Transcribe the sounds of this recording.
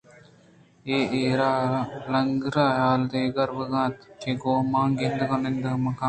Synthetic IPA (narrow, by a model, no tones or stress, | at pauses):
eːeːɾaːlɐŋɡɾaːjaːlt̪eːɡɐɾbəɡãːt̪t͡ʃeɡoːmãːŋɡend̪kɐnend̪əmɐkãː